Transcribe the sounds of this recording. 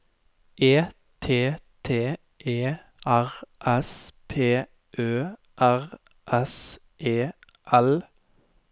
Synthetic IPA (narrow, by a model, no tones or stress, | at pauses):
ʔeː | t̪ʰeːt̪ʰeː | ʔeː | æʁʔɛspʰeː | ʔøː | ʔæʁ | ʔɛs | ʔeː | ʔɛl